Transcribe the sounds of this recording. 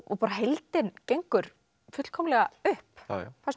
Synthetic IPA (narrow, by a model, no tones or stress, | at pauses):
ɔ̰paːɾaɦejlt̪ɪncejŋkʏɾ̥ | fʏt̪l̥kʰɔmlɛɣaʏhpθas